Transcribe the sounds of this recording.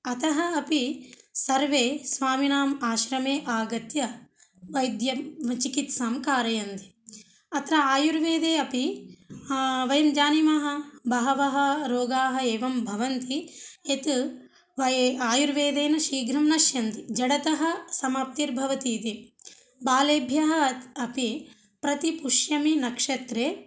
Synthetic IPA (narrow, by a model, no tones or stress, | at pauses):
ɐt̪ɐɦɐɐpisɐɾʋeːsʋaːminaːmaːʃɾɐmeːʔaːɡɐt̪jɐ | ʋɐjd̪jɐt͡ʃikit̪saːmkaːɾɐjɐnt̪i̥ | ɐt̪ɾɐaːjuɾʋeːd̪eːɐpi | ʋɐjɐmd͡ʒaːnimɐɦɐ̆bɐɦɐʋɐɦɐ̆ɾoːɡaːɦɐ̆eːʋɐmbʱɐʋɐnt̪iet̪ | ʋɐaːjuɾʋeːd̪eːnɐʃiːɡɾɐmnɐʃjɐnt̪id͡ʒɐɽɐt̪ɐɦɐ̆sɐmaːp̚t̪iɾbʱɐʋɐt̪iːt̪i | baːleːbʱjɐɦɐ̆ɐpi | pɾɐt̪ipuʂjɐminɐkʂɐt̪ɾeː